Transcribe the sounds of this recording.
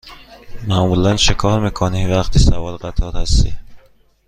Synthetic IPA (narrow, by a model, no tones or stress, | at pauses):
mæːmulænʃekʰɒːɾmiːkʰonivæχt̪ʰiːsævɒːlɢæt̪ʰɒːɾhæst̪ḭː